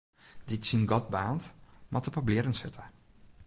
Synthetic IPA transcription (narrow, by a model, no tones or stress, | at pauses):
dɪtsinɡɔt̚baːntmatəpablɪɾənsɪtə